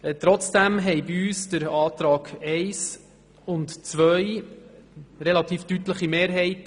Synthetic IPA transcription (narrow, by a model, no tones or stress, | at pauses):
t̪ɾɔt͡sd̥æmɦɛɪbiyːsd̥əɾɑːt̪ɾɑːɡ̥ɛɪs | ʊntt͡svœj | ɾɛlɑt̪iːftytləχimeːɾɦɛɪt